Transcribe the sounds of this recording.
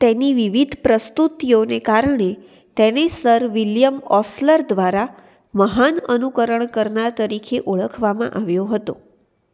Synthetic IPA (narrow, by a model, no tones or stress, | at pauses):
t̪ɛniʋiʋid̪ʱpɾəst̪ut̪jonekaɾəɳe | t̪ɛnesəɾʋiljəmɔsləɾd̪ʋaɾa | məɦanənukəɾəɳkəɾɳaɾt̪əɾikʰeʔoɭəkʰʋamã̰ʔaʋjoɦət̪o